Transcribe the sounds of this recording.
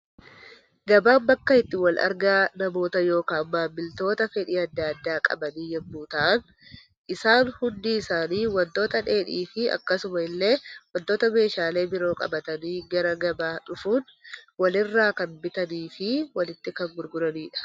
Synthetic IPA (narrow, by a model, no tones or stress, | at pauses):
ɡɐbaːmbɐkːɐɪt̪ːɪwɐlɐ̰ɾɡaːnɐmo̞ːt̪ɐjo̞ːkaːmːaːbɪlt̪o̞ːt̪ɐfɛᶑiːɐd̪ːaːɐd̪ːaːkʼɐ̰bɐniːjɛmːuːt̪ɐʔɐn | ʔɪsaːnhʊnd̪iːɪsaːniːwɐnt̪o̞ːt̪ɐᶑe̞ːᶑiːfɪɐ̰kːɐsʊmɐɪlːe̞ːwɐnt̪oːt̪ɐme̞ːʃaːle̞ːbɪɾo̞ːkʼɐ̰bɐt̪ɐniːɡɐɾɐɡɐbaːᶑʊfuːnwɐlɪrːaːkɐnbɪt̪ɐniːfɪwɐlɪt̪ːɪkɐŋɡʊɾɡʊɾɐniːᶑɐ̥